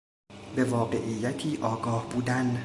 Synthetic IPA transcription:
be̞vɒːɢe̞ʔijːæt̪ʰiːʔɒːɡɒːhbuːd̪æn

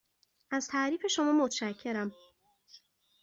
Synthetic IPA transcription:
ʔæz̥t̪ʰæʔɾiːfe̞ʃo̞mɒːmot̪ʰʃæcʰːe̞ɾæm

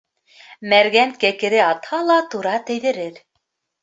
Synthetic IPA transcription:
mæɾɡænkækɘ̆ɾɘɑt̪hɑlˠɑt̪uɾɑt̪æ̆jðɘ̆ɾɘɾ

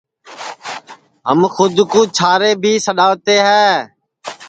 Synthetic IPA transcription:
ɦəmxʊd̪kuːt͡ʃʰaːɾeːbʱiːsəɗaːʋt̪eːɦɛː

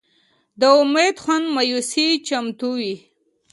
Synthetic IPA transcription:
d̪əʊmed̪xanmajusit͡ʃamt̪uwi

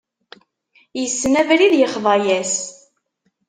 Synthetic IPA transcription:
jəsːnævɾiðjəχðˤɑjæs

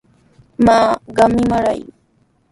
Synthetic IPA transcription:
maːɢɑmɪmaɾa̰j

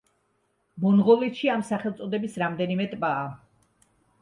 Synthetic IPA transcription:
bɔnʁɔlit̪ʃiamsaχɛlˠt̪sʼɔd̪ɛbisɾamd̪ɛnimɛt̪ʼbaː

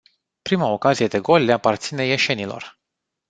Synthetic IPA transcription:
pɾimao̞kazije̞d̪e̞ɡo̞lʲːeapart̪sine̞je̞ʃe̞nilo̞̰r

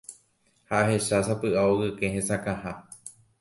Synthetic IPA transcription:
haʔaɦe̞ʃasapɨʔaoɣɨkẽhẽsakãha

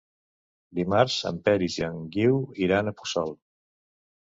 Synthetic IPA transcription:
d̪imaɾsə̰mpɛɾiziaŋɡiwiɾanəpu̥sɔlˠ

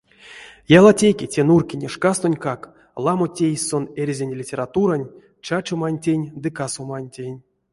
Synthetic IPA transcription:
jalˠatʲekʲetʲenurkʲinʲeʂkast̪onʲkak | lˠamotʲejʲso̞nerʲzʲenʲlʲitʲe̞ɾat̪uɾanʲ | t͡ʃat͡ʃomanʲtʲenʲd̪ɨkasomanʲtʲenʲ

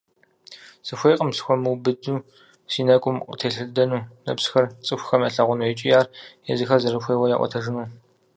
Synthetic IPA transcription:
sɨxʷejqʼəmsɨ̥xʷɔmɨwbɨduː | siːnɐkʷʼʊmqətʰeːɬɨdɐnuːnɐ̰psxɐrt͡sʼɨxʷxɐmɐɬɐʁʷʊnuɛt͡ʃʼɪjaːrjɛzɨxɐzɐɾɨxʷeːwɐjaːʔʷɔ̰tʰɐʒɨnuː

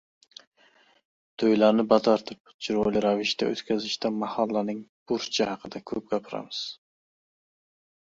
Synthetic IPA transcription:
t̪ʰøjlæɾnɪbɑt̪ʰɑɾt̪ʰɨp̚d͡ʒiɾojlɪɾɑvɪʃt̪ʰɛø̰t̪kʲʰæzɪʃt̪ʰɛmɑhɑlˠːɑnɨŋb̥uɾt͡ʃʰahɑqʰəd̪ɛkʲʰɵp̚ɡʲɑpʰɪɾɑ̰mɨz̥

